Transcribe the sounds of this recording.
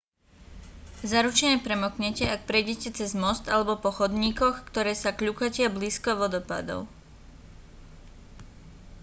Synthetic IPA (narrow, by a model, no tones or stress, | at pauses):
zaɾut͡ʃɛɲɛpɾɛmɔkɲɛcɛak̚pɾɛjɟɛcɛt͡sɛzmɔst̪alɛbɔpɔxɔd̪ɲiːkɔxkt̪ɔɾɛːsakʎukacɪabliːskɔʋɔd̪ɔpa̰d̪ɔ̰ʊ